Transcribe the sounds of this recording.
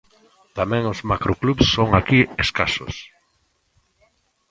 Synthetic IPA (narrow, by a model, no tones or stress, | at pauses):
t̪amɛ̃ŋʊzmakɾoklubsːoŋakieskaso̰s